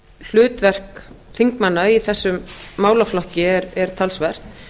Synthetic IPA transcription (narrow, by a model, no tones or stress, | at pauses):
l̥ʏːt̪vɛr̥kθiŋkmanːaiθɛsːʏmːaːwlaflɔhcɪɛɾɛɾ̥t̪ʰalsvɛr̥t̪